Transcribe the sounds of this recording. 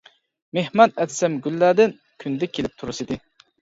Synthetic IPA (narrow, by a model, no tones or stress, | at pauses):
mehmɑnɛd̪sɛmɡʲylːæːd̪ɪn | kʲʰynd̪ɛkʲʰelɪp̚t̪ʰuɾusid̪ɪ